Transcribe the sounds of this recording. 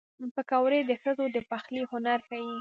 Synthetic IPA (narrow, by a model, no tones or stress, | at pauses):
pəkawɾed̪əxəzod̪əpaxlihʊnaɾxaji